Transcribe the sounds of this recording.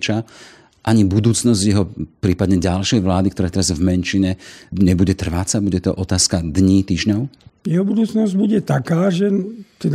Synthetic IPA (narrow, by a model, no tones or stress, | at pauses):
t͡ʃa | ʔaɲibud̪uːt͡snɔzɟjɛɦɔpɾiːpad̪ɲɛɟalʃɛjʋlaːd̪ikt̪ɔɾaːt̪ɛɾazvmɛnʃiɲɛɲɛbuɟɛt̪r̩ʋat͡sabuɟɛt̪ɔʔɔt̪aːskad̪ɲiːt̪iːʒɲɔʊjɛɦɔbud̪uːt͡snɔzɟbuɟɛt̪akaːʒɛt̪ɛd̪